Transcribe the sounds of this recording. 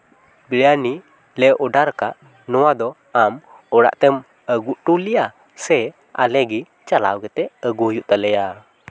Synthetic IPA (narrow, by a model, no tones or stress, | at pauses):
biɾani | lɛʔɔɖaɾkaʔ | nɔwad̪ɔ | am | ɔɽa̰ʔt̪ɛm | əɡuʔʈulija | sɛ | a̰lɛɡi | t͡ʃala̰wɡɛt̪ɛəɡuɦjuʔt̪alɛja